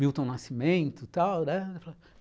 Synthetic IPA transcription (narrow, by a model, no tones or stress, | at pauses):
miwt̪õnasimẽnt̪ʊt̪awnɛfala